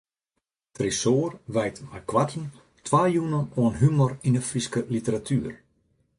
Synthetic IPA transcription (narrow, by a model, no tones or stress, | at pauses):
trisoːərʋɛjtmakʋatʰn̩ | tʰʋaːjunənoənɦymɔrinəfriskəlitəɾatʰyːər